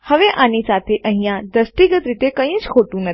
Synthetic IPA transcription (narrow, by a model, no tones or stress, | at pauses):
həʋeʔanisat̪ʰeʔə̃ɦĩjãd̪əsʈiɡət̪ɾit̪ekəĩt͡ʃkʰoʈũnə